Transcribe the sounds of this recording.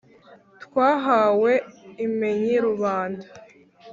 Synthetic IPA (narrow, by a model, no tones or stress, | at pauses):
tkwaːɦawe̞imeɲiɾuβaːnda